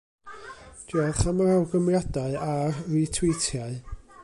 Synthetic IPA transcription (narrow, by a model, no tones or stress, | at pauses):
d̥aðχamaɾawɡəmrjadaɨarritʰwɪjtʰjaɨ